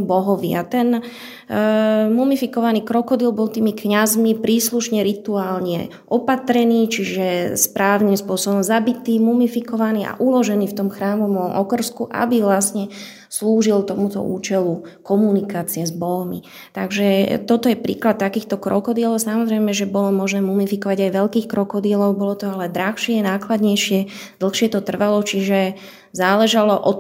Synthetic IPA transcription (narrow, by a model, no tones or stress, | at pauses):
bɔɦɔʋiat̪ɛn | mumifikɔʋaniːkɾɔkɔd̪ɪɛlbɔlt̪iːmikɲazmipɾiːsluʃɲɛɾit̪uaːlɲɛ̰ | ʔɔpat̪ɾɛniːt͡ʃiʒɛspɾaːʊnimspʊɔsɔbɔmzabit̪iːmumifikɔʋaniːʔa̰ʔulɔʒɛniːft̪ɔmxɾaːmɔmɔɔmʔɔkr̩skuʔa̰biʋlasɲɛ | sluːʒilt̪ɔmut̪ɔ̰ʔṵːt͡ʃɛlukɔmunikaːt͡siɛzbɔlmḭ | t̪aɡʒɛt̪ɔt̪ɔjɛpɾḭːklat̪ːakiːxt̪ɔkɾɔkɔd̪ɪɛlɔʊsamɔzɾɛjmɛʒɛbɔlɔmɔʒnɛːmumifikɔʋaɟajʋɛʎkiːxkɾɔkɔd̪ɪɛlɔʊbɔlɔt̪ɔalɛd̪ɾaxʃɪɛnaːklad̪ɲɛjʃɪɛ | d̪l̩xʃɪɛt̪ɔt̪r̩ʋalɔt͡ʃiʒɛ | zaːlɛʒalɔʔɔt̪